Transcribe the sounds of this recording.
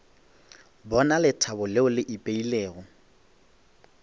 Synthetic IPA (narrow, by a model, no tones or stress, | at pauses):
bɔnalɪtʰabʊleʊlɪʔipʼeileːɣɔ